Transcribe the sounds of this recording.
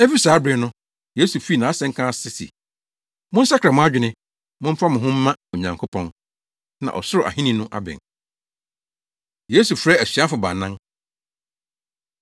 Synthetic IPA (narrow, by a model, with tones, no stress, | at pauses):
ɛ˦fi˦saː˨˦bɾɪ˨nʊ̃˦ | je˦su˨fi˦˨nã˨a˦sɛ̃˦ŋ̩˦kʰã˦sɪ˦sḭ˨ | mʊ̃˦n̩˦sa˦kʰɾa˨mʊ̃˦a˦d͡ʑᶣɪ˨nɪ̃˦ | mʊ̃˦fa˦mɪ̃˨ɦʊ̃˦m̩˦mã˦o˨ɲã˨ŋkʰo˦pʰɔ̃˨n | nã̰˨ʔɔ̰˨sʊ˦ɾʊ˨ʔa̰˨ɦĩ˦nĩ˦nʊ̃˦ʔa̰˦bɛ̰˨ | je˦su˨fɾɛ˦æ˨ɕi˨a˦fʊ˨ba̰˨nã˦ŋ